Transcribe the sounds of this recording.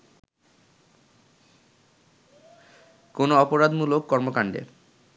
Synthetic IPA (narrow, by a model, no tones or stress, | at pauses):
konoɔpoɾad̪mulokːɔɾmokaɳɖḛ